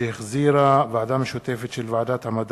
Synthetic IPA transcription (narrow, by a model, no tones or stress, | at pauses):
eheχziɾavead̪amʃot̪e̞fet̪ʃelvaʕad̪at̪hamad̪